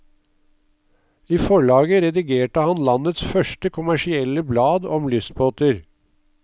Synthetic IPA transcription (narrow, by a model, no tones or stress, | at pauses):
iːfɔɭɑːɡəɾɛd̪ɪɡeːʈəhɑnlɑnət̪sfœʂʈəkʰʊmæʂɪɛləblɑːd̪ɔmlʏst̪̚boːt̪əɾ